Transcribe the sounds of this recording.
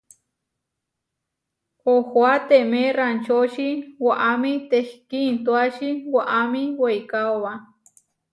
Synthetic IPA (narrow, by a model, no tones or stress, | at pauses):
ohwat̪emerant͡ʃoʃiwaʔamit̪ehkint̪waʃiwaʔamiwejkawa